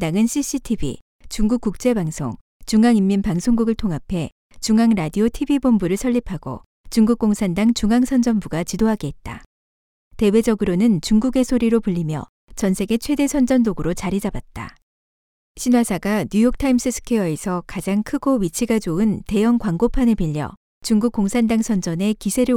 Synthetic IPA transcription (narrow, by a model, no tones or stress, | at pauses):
daŋɯnɕʰiɕ͈ʰitʰibʱḭ | t͡ɕuŋɡuk͈̚uk̚t͡ɕ͈e̞baŋsʰo̰ŋ | t͡ɕuŋaŋimːinpaŋsʰoŋɡuɡɯɭtʰoŋɦapʰe̞ | t͡ɕuŋaŋɾadiotʰibibombuɾɯɭsʰʌʎːipʰaɡo̰ | t͡ɕuŋɡuk̚k͈oŋsʰandaŋt͡ɕuŋaŋsʰʌnd͡ʑʌnbuɡat͡ɕidoɦaɡeːt̚t͈a̰ | te̞we̞d͡ʑʌɡɯɾonɯnt͡ɕuŋɡuɡe̞sʰoɾiɾopɯʎːimjʌ̰ | t͡ɕʌnsʰe̞ɡe̞t͡ɕʰwe̞de̞sʰʌnd͡ʑʌndoɡɯɾot͡ɕaɾid͡ʑabat̚t͈a̰ | ɕʰinwasʰaɡaɲjujʌk̚tʰaims͈ʰɯsʰɯ̥kʰejʌe̞sʰʌkad͡ʑaŋkʰɯɡowit͡ɕʰiɡad͡ʑoɯnte̞jʌŋkwaŋɡopʰanɯɭpiʎːʌ̰ | t͡ɕuŋɡuk͈̚oŋsʰandaŋsʰʌnd͡ʑʌne̞kisʰe̞ɾɯ